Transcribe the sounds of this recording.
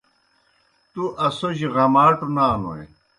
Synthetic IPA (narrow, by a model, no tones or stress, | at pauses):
t̪uʔɐsoʑiʁɐmaːʈunaːno̰ḛ